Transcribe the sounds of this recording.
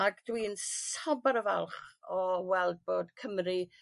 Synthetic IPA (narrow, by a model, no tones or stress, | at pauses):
akd̥wiːnsabaɾəva̰lˠχɔwɛlˠd̚boːd̥kʰəmri